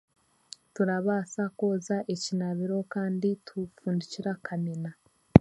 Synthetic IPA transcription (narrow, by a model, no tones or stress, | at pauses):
tuɾaβaːsako̞ːzaʔe̞cinaβiɾo̞kaːnditufuːndiciɾakʰanena